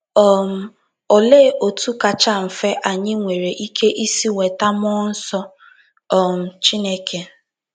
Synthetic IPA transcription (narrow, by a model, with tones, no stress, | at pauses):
ɔ˦˨m̩˦ | ɔ˨le˦˨ʔo˨tu˦ka˨t͡ʃa˦m̩˨fe˦ʔa˨ɲɪ˦ŋʷe˨ɾe˨ʔi˦kʰe˦ʔi˦si˦ŋʷe˨ta˦mɔ˦n̩˦sɔ˦ | ɔ˦˨m̩˨t͡ʃi˦ne˦kʰe˨